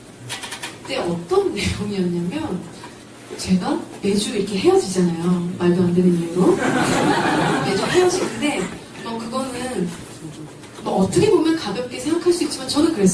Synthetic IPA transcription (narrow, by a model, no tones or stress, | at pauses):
kt͈e̞ʌt͈ʌnːejoŋiʌɲamjʌn | t͡ɕe̞ɡape̞d͡ʑuiɾʌkʰe̞ɦe̞jʌd͡ʑid͡ʑanajomaɭboɦandenɯniɭdo | me̞d͡ʑuɦe̞jʌd͡ʑinɯnde̞ | mʌkɯɡʌnɯn | mʌʌt͈ʌkʰe̞bomjʌnkabjʌp̚k͈e̞sʰe̞ŋɡakʰaɭs͈uit̚t͡ɕ͈imant͡ɕʌnɯnkɯɾe̞s͈